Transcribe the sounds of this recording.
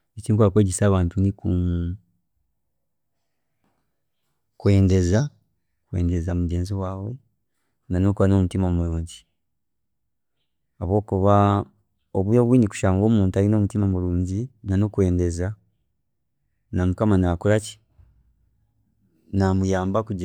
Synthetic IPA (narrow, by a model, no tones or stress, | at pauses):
ecikwakweːɟesaːβaːntuniku | kwe̞ːnde̞za | kweːnde̞zamuɟeːnziwaːwe̞ | nanokuβano̞mutimamuluːɲɟi | aβwo̞ːkuβa | oβujoβwiːniku̥ʃaːŋɡo̞ːmuːntaɾino̞ːmutimamuɾluːɲɟinanokwe̞ːnde̞za | namukamanakuɾaci̥ | namujaːmbakuɟ